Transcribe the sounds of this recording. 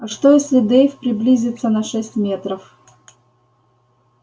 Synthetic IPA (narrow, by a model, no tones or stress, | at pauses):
ɐʂt̪ojesʲlʲɪd̪ejfʲpɾʲɪblʲizʲɪt̪sənɐʂɛsʲtʲmʲet̪ɾəf